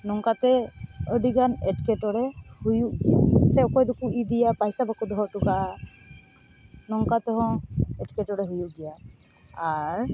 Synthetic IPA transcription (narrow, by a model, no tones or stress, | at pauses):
nɔŋkat̪ɛɔɖiɡanɛtkɛtɔɹɛhujuʔɡijasɛɔkɔjd̪ukuid̪ijapajsabakud̪ɔɦɔtuka | nɔŋkat̪ɛɦɔ̃ɛʈkɛʈɔɹɛɦujuʔɡijaː | ɹ